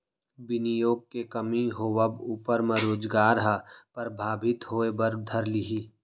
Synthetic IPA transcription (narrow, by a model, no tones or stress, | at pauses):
bɪnijoːɡ̚kekɐmiɦowəbuːpəɾmə̃ɾoːd͡ʒɡaːɾɦapɾəbʱaːbɪt̪ɦoːebɐɾd̪ʱɐɾliɦiː